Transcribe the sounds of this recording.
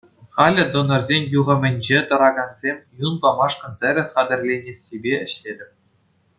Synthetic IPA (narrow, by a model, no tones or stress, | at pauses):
χɑlʲɘ̆d̪onɤ̆rzʲenʲjuʁɤ̆mʲɘ̆nʲd͡ʑet̪ɤ̆ɾɑɡɑnzʲemʲjunbɑmɑʂkɤ̆nt̪ʲɘ̆ɾʲɘ̆sʲχɑd̪ʲɘ̆rʲlʲenʲesʲibʲeɘ̆ɕtʲed̪ʲɘ̆p̚ʲ